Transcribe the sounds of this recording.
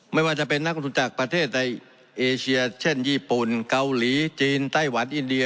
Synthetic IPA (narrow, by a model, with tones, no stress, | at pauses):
ma˥˩jwaː˥˩t͡ɕa˨˩pe˧nːa˦˥k̚ɾo˧t̪ʰu˧nt͡ɕaː˨˩k̚pɾa˧t̪ʰeː˥˩t̪̚na˧j | ʔeː˧t͡ɕʰi˧ɐt͡ɕʰe˥˩njiː˧˩pu˨˩nka˧wliː˩˦t͡ɕiː˧nt̪a˥˩jwa˩˦˥nʔi˧ndi˧